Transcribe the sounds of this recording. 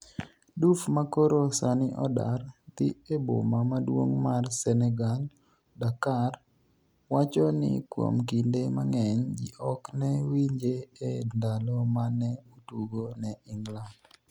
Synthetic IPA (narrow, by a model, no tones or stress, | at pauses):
dufmakoɾosanɪʔɔda̰rt̪ɪebo̰mamadwo̰ŋmarsɛnɛɡal | dakar | wat͡ʃɔnɪ̰kwo̰mkindemaŋɛɲd͡ʒḭʔɔknɛwiɲd͡ʒeendalɔmanɛutuɡonɛɪŋɡland